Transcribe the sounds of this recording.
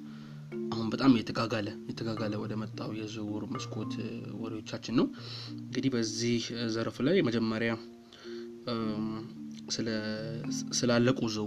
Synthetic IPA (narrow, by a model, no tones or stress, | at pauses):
ʔahunbət̪ʼamjɛt̪ʰəɡaɡaləjɛt̪ʰəɡaɡaləwɔd̪əmət̪ʼːawjɛzɨwuɾməskʰʼo̞t̪wɔd̪iwot͡ʃːat͡ʃːɪnːəwɨŋɡɨd̪ihbəzːihzəɾfulajməd͡ʒɛmːəɾja | sɨlə | sɨlalːəkʼuzɨw